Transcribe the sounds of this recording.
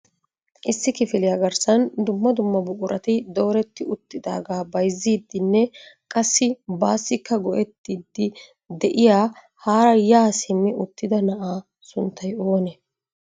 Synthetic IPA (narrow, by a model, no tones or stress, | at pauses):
ʔɪsːɪkɪfɪlɪjaːɡɐɾsɐnd̪ʊmːɐd̪ʊmːɐbʊkʼʊɾʔɐt̪ɪd̪oːɾɛt̪ːɪʊt̪ːɪd̪a̰ːɡaːbɐjzːiːd̪ːɪnːɛkʼɐsːɪbaːsːɪkːɐɡɔʔɛt̪ːiːd̪ːɪ | d̪ɛʔɪjaː | haːɾɐjaːsɪmːɪʊt̪ːɪd̪ɐnɐʔaː | sʊnt̪ːɐjoːnɛ